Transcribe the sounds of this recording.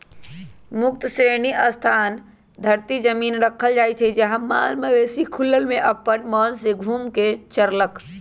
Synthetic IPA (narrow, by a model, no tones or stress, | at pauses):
mʊkt̪əsɾeniʔəst̪ʰaːn | d̪ʱəɾt̪id͡ʒəminɾəkʰəld͡ʒajt͡ʃʰɛd͡ʒəɦə̃ma̰lməʋesikʰulːəlmeʔəpːənmənseɡʱuːmket͡ʃəɾlək